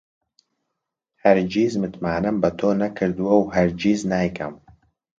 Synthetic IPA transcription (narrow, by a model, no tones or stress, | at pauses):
hɐɾd͡ʒiːzmɨt̪maːnɐmbɐt̪ʰoːnɐkʰɨɾd̪uwɐwhɐɾd͡ʒiːznaːjkʰɐ̰m